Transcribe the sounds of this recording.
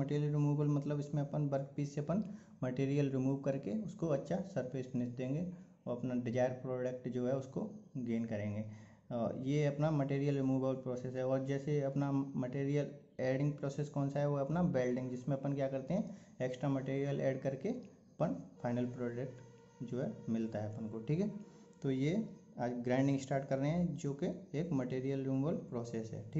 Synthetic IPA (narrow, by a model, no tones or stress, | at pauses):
mɐʈeːɾəlɾɪmuːbəlmɐt̪ləbɪsmẽɐpənbɐɾk̚piːsseɐpən | mɐʈeːɾijəlɾɪmuːʋkɐɾkeʊskoɐtːʃʰasɐɾpeːsbnɪt͡ʃd̪ẽːŋɡe | ɔːɐpnaɖɪd͡ʒaːɪɾpɾoːɖək̚ʈd͡ʒoːɦɛʊskoɡeːnkɐɾẽːŋɡeː | jeɐpnamɐʈeːɾijəlɾɪmuːbəlpɾoːseːsɦɛɔːɾd͡ʒɛːseɐpnamɐʈeːɾijəl | eːɖɪ̃ŋɡ̚pɾɔːseːskɔːnsaɦɛʋoɐpnabɛːlɖɪ̃ŋɡd͡ʒɪsmẽɐpənkjakɐɾt̪eɦɛ̃ | eksʈɾamɐʈeːɾijəlɛːɖkɐɾke | ɐpənfʰaːɪnəlpɾɔːɖek̚ʈ | d͡ʒoːɦɛmɪlt̪aɦɛɐpənkoʈʰiːkɦɛ | t̪ojeaːd͡ʒɡɾãːɪ̃ɳɖɪ̃ŋsʈaːɾʈkɐɾːəɦeɦɛ̃d͡ʒoːkeeːkmɐʈeːɾijəlɾɪmuːbəlpɾɔːseːsɦɛ̰ːʈʰiː